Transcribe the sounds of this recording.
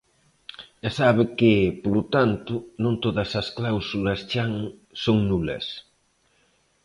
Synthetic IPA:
asaβekɪpolut̪ant̪ʊnõnt̪oðɐsɐsklawsulɐst͡ʃaŋsoŋnulɐ̰s

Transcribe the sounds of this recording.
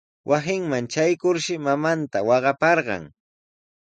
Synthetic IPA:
wʔasɪŋmant͡ʃajkʊɾʃɪmamant̪awɑɢɑpɑɾɢɑ̰ŋ

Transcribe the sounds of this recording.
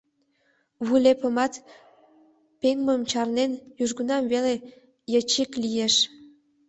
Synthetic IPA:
βulepə̆mɑt̪ | peŋməmt͡ɕɑrnenjuʒɡunɑmβele | jət͡ɕiklijeʃ

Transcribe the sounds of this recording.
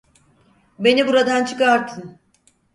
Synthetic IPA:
be̞nibuɾad̪ant͡ʃʰɯ̥kaɾt̪ʰɯn

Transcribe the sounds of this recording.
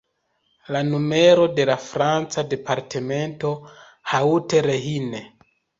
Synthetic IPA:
lanume̞ɾo̞de̞lafɾant͡sade̞paɾte̞me̞nto̞ | hauteɾe̞ɦine

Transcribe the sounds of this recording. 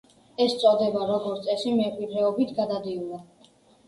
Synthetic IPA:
ɛst̪sʼɔd̪ɛbaɾɔɡɔɾt̪sʼɛsimɛqʼwid̪ɾɛɔbit̪ʰɡad̪ad̪iulˠa

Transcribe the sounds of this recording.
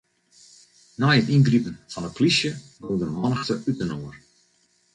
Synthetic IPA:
najətinɡripənfɑnəplisjəbodənəmɔnəxtəʔytənoər

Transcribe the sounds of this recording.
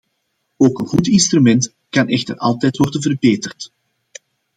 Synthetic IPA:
oːkənɣutɪnstrymɛnt | kɑnʔɛxtərɑ̰lˠtɛjtʋɔrdənvərbeːtərt

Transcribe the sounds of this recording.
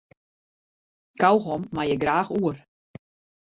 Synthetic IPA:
kawxɔmːajɛɡraːxuər

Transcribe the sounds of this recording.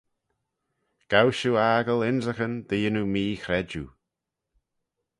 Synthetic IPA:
ɡ̥awʃuaːɡəlɪnzəxənd̪̥iːənumiːxɾɛd͡ʒṵ

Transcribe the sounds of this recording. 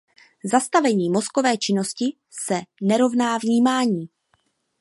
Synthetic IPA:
zast̪avɛɲiːmo̞sko̞vɛːt͡ʃɪno̞scɪ | sɛnɛɾo̞vnaːvɲiːmaːɲiː

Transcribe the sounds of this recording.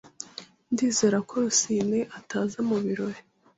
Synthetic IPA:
ndiːze̞ːɾako̞ɾusiːneʔataːzamuβiɾo̞ɾe

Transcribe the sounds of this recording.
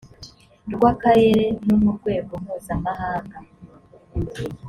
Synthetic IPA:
ɾɡwaːkaɾe̞ɾe̞numuɾɡwe̞ːɡo̞m̥huːzamahaːŋɡa

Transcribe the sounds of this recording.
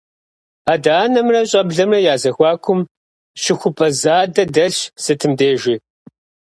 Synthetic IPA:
aːdaːnɐmrɐɕʼɐbɮɐmrɐjaːzɐxʷɑːkʷʰʊm | ɕɪxʷʊpʼɐzaːdɐdɐɬsɨtʰɨmdeːʒi

